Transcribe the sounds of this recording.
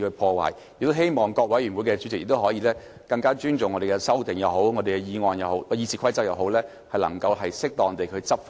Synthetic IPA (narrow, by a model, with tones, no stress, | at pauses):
hɵ˧pʰɔː˧wa̰ː˨˩jjɪ˨k̚t̪o˥wɦe˥jmɔː˨˩ŋkɔː˧k̚wɐ˨˥jy˨˩nwu˨˥jkɛ˧t͡ʃy˨˧˥t͡sɪ˨k̚jɪ˨k̚t̪wɦɔː˨˥jiː˧˥lɛː˥ | kɐ˧ŋkaː˥t͡ʃyː˥nt͡sʊ˨ŋːɔː˨˧de˨˩kɛ˧sɐ˥wt̪ɪ˨˩ŋjɐ˨˧wɦo˨˥wŋɔː˨˧d̪e˨jkɛ˧jiː˧ŋɔː˨˧njɐ˨˩who˨˥wkɔ˧jiː˧˩t͡sʰiː˨kʰɐ˥jt͡sɐ˥p̚jɐ˨wɦo˨˥wlɛː˥ | hɐ˨jlɐ̰˨˩ŋkɐ˧wɦɐ˨jsɪ˥k̚t̪ɔː˨˩ŋ˨t̪e˨jkʰɵ˨˧t͡sɐ˥p̚f